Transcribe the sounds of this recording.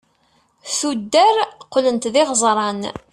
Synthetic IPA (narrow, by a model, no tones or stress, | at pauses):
θud̪ːæɾqːlənt̪ðɪʁzˤɾˤɑn